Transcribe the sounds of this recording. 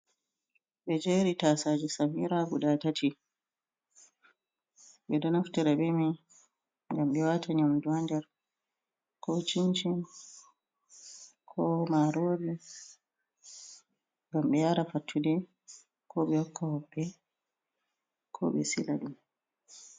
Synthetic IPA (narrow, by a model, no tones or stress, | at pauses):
ɓɛd͡ʒeɾitaːsaːd͡ʒɛsamiɾaɡuɗatatʰi | ɓɛdɔnaftɛɾabɛmi | ŋɡamɓɛwataɲamduandɛɾ | kʰɔt͡ʃiɲt͡ʃin | kʰɔmaɾoːbi | ŋɡamɓɛjaɾafatʰːudɛ | kʰɔɓɛjɔkːahɔbːɛ | kʰɔ̰ɓɛ̰sḭla̰ɗum